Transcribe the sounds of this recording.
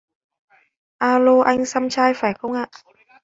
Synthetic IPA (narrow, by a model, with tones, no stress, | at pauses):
ʔaː˧loː˧ʔa˧jŋ̟sa˧mt͡ɕʰaː˧jfaː˨˩jxə˧wŋ͡mŋʔaː˧˩ʔ